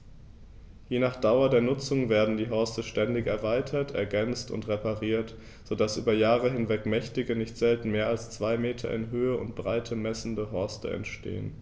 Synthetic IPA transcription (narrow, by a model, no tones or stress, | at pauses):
jeːnaːχd̥aʊɐdeːɐnʊt͡sʊŋveːɐdn̩diːɦɔɐstəʃtɛndɪçɛɐvaɪtʰɐtɛɐɡɛnt͡stʊ̰ntʁepaʁiːɐt | z̥odasʔyːbɐjaːʁəɦɪnvɛkmɛçtɪɡənɪçtz̥ɛltn̩meːɐalst͡sv̥aɪmeːtʰɐ̰ɪ̰nɦøːəʊ̰nt̚b̥ʁaɪtʰəmɛsn̩dəɦɔɐstə̰ɛ̰ntʃtḛːən